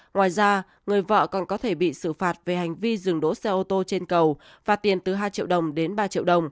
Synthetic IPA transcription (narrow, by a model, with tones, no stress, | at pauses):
ŋwaː˨˩jzaː˧ | ŋɨ˨˩əjvə̰ː˧˨kɔ˨˩nkɔ˨˦t̪ʰe˧˩ɓḭ˧˨sɨ˧˩faː˨˩t̚ve˨˩ɦa˨˩jŋ̟vi˧zɨ˨˩əŋɗo̰˧˨˥sɛ˧ʔo˧t̪o˧t͡ɕe˧nkə˨˩w | vaː˨˩t̪i˨˩ənt̪ɨ˨˩ɦaː˧jt͡ɕḭ˧˨əwɗə˨˩wŋ͡mɗe˨˦nɓaː˧t͡ɕḭ˧əwɗə˨˩wŋ͡m